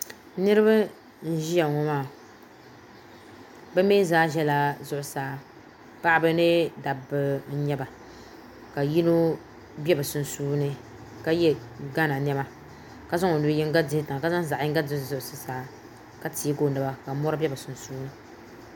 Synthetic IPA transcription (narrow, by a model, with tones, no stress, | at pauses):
nɨ˦ɾɨ˦ba˦ | n̩˦ʒi˦ja˨ŋɔ˦maː˦˨ | bɛ˦mɛ˦zaː˦ʒɛ˦la˨zʊ˦ʔʊ˨saː˨˦ | pa˦ʔbɨ˦nɨ˦da˨bɨ˨n̩˦ɲɛ˦ba˨ | ka˨ji˦no˦ | bʲɛ˦bɨ˨sʊ˨n˨suː˦nɨ˦ | ka˦jɛ˦ɡa˦na˨n˦ɛ˦ma˦ | ka˦za˦ŋo˨nu˨bjɛ˦ŋ˦ɡa˦dɪ˦hɪ˦ta˨ŋa˨ka˦za˦ŋ˦za˨ʔɪ˦ɡa˦dɨ˦˨zʊ˦ʔʊ˨sɨ˦saː˦ | ka˦ti˨˦ɡo˦˨nɨ˨ba˨ka˨˦mɔ˦ɾɨ˦bɛ˦ba˨sʊ˨n˨suː˦nɨ˦